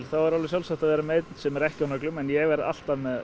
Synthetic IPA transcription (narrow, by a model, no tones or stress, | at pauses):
lθavaɾalvɛsjawlsaht̪avɛːɾameːjt̪n̥sɛmɛɾɛhcɪawnœklʏmɛnjɛɣvɛɾa̰l̥t̪aðmɛð